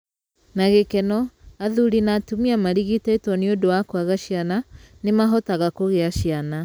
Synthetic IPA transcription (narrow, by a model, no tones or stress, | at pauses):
naɣekɛnɔaðuɾinatumiamaɾiɣitɛitwɔneodowakwaɣaʃiana | nemaɦɔtaɣakoɣeaʃiana